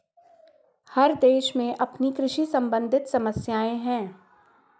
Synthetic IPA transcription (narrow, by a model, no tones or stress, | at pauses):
hɐɾd̪eːʃmẽʔɐpnikɾɪʃisɐ̃mbə̃nd̪ʱɪt̪sɐməsjaːẽɦɛ̃ː